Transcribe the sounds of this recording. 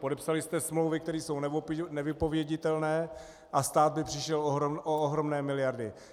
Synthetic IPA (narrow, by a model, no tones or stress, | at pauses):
po̞dɛpsalɪst̪ɛsmlowvɪk̚t̪ɛɾiːso̞wnnɛvɪpo̞vjɛɟɪt̪ɛlnɛː | ʔast̪aːd̪̚bɪpr̥ɪʃɛloʔooɦɾomnɛːmɪlɪjaɾdɪ